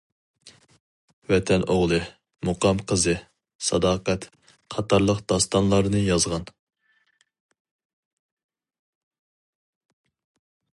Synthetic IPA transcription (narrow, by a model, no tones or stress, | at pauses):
vɛt̪ʰɛnoʁlˠɨ | muqʰɑmqʰəzɨ | sɑd̪ɑːqɛt̪ | qʰɑt̪ɑɾlˠəqd̪̥ɑst̪ɑnlˠɑɾnɨjɑzʁɑn